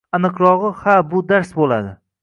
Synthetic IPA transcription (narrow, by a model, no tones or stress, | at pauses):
anɨqɾɒʁɨhabʊd̪aɾsbolad̪ɪ